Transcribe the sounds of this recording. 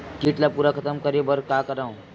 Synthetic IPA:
kiʈlapuɾakʰət̪əmkəɾebəɾkakəɾãw

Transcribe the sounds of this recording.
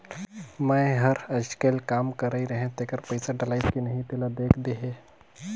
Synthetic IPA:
mɛ̃ːɦɐɾɐd͡ʒkelkaːmkɐɾaiɾɐɦẽt̪eːkəɾpɐɪsaɖɪlaːɪtkinɐɦĩʈeːlad̪eːkʰd̪eɦeː

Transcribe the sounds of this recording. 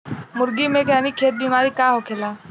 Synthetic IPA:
mʊɾɡimẽkənikʰeːt̪̚biːmaːɾikaːɦokʰeːlaː

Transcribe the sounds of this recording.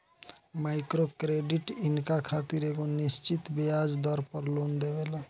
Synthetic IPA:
maɪkɾokɾeɖiʈɪnkakʰat̪iɾeɡonist͡ʃit̪bead͡ʒd̪ɔɾpəɾlond̪ebela

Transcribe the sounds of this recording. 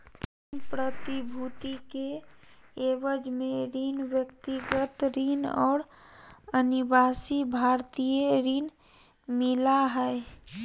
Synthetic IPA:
inpɾət̪ibʱut̪ike | ebəd͡ʒmeɾinʋjəkt̪iɡət̪ɾinɔ̰ːɾ | ənibasibʱaɾt̪ijeɾin | milaɦəe

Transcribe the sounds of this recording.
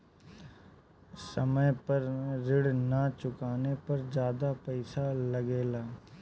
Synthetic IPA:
səməjpəɾɾɪɽnət͡ʃʊkaːnepɐɾd͡ʒjaːd̪apɛɪsalɐɡeːlaː

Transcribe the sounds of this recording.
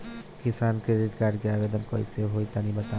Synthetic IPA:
kisankɾeɖiʈɡaɾɖɡɛabed̪ɔnkɔɾḭseɦojt̪anibat̪a

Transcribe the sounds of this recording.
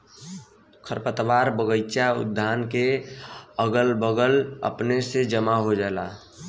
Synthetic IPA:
kʰəɾpət̪ʋaːɾbəɡəjt͡ʃaʊ̰d̪ʱːaːnke | əɡəlbəɡələ̰pnesed͡ʒəmaɦod͡ʒaːla

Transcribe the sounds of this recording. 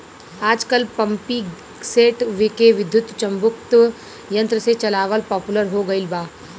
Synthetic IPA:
aːd͡ʒkəlpɐ̃mpi | seːʈʋɪkeʋɪd̪ʱjʊt̪t͡ʃɐ̃mbʊk̚t̪ | jɐ̃nt̪ɾəset͡ʃɐlaːʋəlpɔːpʊləɾɦoɡɐɪlbaː

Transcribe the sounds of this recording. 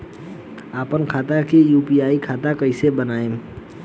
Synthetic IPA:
aːpənkʰaːt̪akejuːpiaːikʰaːt̪akəɪsebənaːẽ

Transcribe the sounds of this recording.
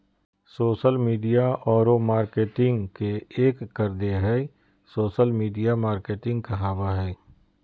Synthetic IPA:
soːʃəlmiːɖijaɔːɾomaːɾkeːʈɪ̃ŋɡkeeːkːəɾd̪eɦɛ | soːʃəlmiːɖijamaːɾkeːʈɪ̃ŋɡ̚kaɦaːbaɦɛː

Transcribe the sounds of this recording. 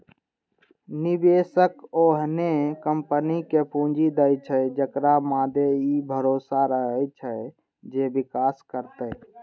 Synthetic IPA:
nibeːsəkoɦnekəmpənikepũd͡ʒid̪əjt͡ʃʰəd͡ʒəkɾamaːd̪eibʱəɾoːsaɾəɦət͡ʃʰə | d͡ʒebikaːskəɾt̪ə

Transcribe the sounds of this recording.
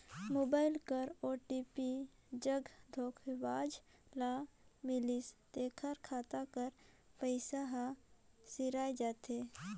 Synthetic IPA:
moːbaːɪlkəɾoːʈipi | d͡ʒəɡd̪ʱoːkʰbaːd͡ʒlamɪlist̪eːkʰəɾkʰaːt̪akəɾ | pəɪsaɦasɪɾaːjd͡ʒaːt̪e

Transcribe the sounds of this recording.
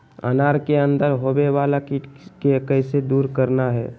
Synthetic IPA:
ə̰naːɾkeə̃nd̪əɾɦobeʋaːlakikekəɪsed̪uːɾkəɾnaɦɛ̰ː

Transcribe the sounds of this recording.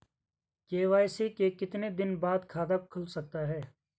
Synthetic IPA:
keːʋaːjsikekɪt̪ned̪ɪnbaːd̪kʰaːd̪ak̚kʰʊlsɐk̚t̪aɦɛː

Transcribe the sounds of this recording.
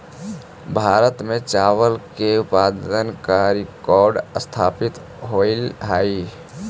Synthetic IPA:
bʱaɾət̪met͡ʃaʋəlkeupad̪ənkaɾikɔɾɖəst̪ʰapit̪ | ɦolɦaji

